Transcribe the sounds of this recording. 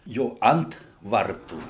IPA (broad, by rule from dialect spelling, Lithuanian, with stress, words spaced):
ˈjoː ˈɐnt ˈʋɐrtuː